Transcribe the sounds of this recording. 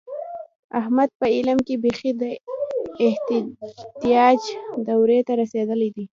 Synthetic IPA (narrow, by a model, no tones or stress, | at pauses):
ahmad̪̚pəɪlamkebexid̪ə | ɪh | t̪ijɑd͡ʒd̪awɾet̪aɾased̪əled̪i